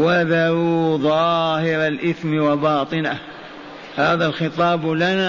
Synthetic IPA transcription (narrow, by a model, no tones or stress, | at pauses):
waðaɾuðˤɑːhɪɾalʔɪθmɪwabɑːt̪ˤɨna | haːðalxɪt̪ˤɑːblana